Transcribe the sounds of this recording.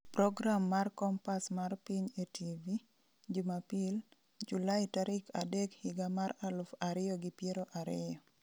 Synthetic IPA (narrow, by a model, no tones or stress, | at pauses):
pɾɔɡɾamːarkɔmpasmarpiɲetʰivi | d͡ʒumapil | d͡ʒulaɪtaɾɪkadɛkhɪɡamaralʊfaɾɪjɔɡɪpjeɾoʔaɾɪjɔ